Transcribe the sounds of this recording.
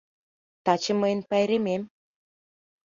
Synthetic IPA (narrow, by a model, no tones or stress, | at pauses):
t̪ɑt͡ɕə̆mɤjənpæjɾemem